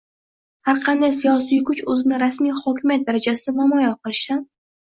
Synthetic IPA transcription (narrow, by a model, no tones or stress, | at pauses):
haɾqʰɑnd̪ajsijɒs̬ijkʰʊt͡ʃɵzɪnɪɾasmijhɒkʲʰɪmjat̪̚d̪aɾad͡ʒasɪɪvamɒjaqʰɨɾɪʃsan